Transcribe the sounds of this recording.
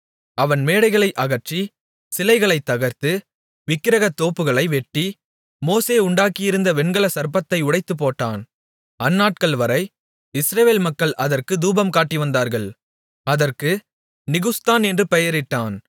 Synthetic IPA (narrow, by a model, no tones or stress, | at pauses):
ɐʋɐnmeːɽɐɪɣɐɭɐɪʔɐɣɐɾt͡ʃi | sɪlɐɪɣɐɭɐɪt̪ːɐɣɐɾt̪ɯ | ʋɪkːɪɾɐɣɐt̪ːoːpːɯɣɐɭɐɪʋɛʈːi | moːseːʊɳɖaːkɪjɪɾɯnd̪ɐʋɛɳɡɐɭɐsɐɾpɐt̪ːɐɪʊɽɐɪt̪ːɯp̬ːoːʈːaːn | ɐnːaːʈ̚kɐɭʋɐɾɐɪ | ɪsɾɐʋeːlmɐkːɐɭʔɐðɐrkɯd̪uːbɐmkaːʈːiʋɐnd̪aːɾɣɐɭ | ɐðɐrkɯ | nɪɣɯst̪aːnɛndrɯpɛjɐɾɪʈːaːn